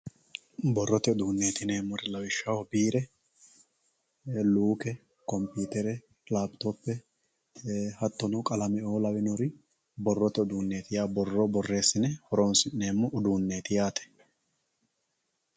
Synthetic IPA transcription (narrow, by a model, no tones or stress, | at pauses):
bɔrːɔt̪ɛʊd̪uːnːe̞ːt̪ɪne̞ːmːɔɾɪlɐwɪʃːɐwɔbiːɾɛ | luːkɛ | kɔmpjuːt̪ɛɾɛ | laːpt̪opːɛ | hɐt̪ːɔnɔkʼɐlɐmɛoːlɐwɪnɔɾɪ | bɔrːɔt̪ɛʊd̪uːnːe̞ːt̪ɪjaːbɔrːɔbɔrːe̞ːsːɪnɛhɔɾoːnsɪnne̞ːmːɔʔʊd̪uːnːe̞ːt̪ɪjaːt̪ɛ̥